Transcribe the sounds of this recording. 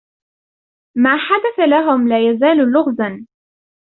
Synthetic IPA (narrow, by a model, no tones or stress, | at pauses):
maːħad̪aθalaɦʊmlaːjazaːllʊɣðan